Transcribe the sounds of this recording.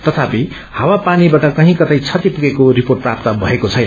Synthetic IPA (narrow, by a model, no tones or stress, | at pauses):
t̪ʌt̪ʰapi | hawapanibaʈʌkʌɦĩkʌt̪ajt͡sʰʌt̪ipuɡekoriporʈ̚prap̚t̪ʌbʱʌ̰ekot͡sʰʌjn